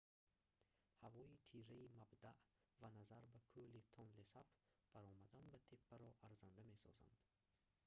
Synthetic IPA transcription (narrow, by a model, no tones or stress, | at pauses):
havɔit̪ʰiɾaimabd̪aʔ | vanazaɾbakʰulit̪ʰɔnlesapb̥aɾɔmad̪anbat̪ʰepʰːaɾɔʔaɾzand̪ame̞sɔ̰za̰nd̪̥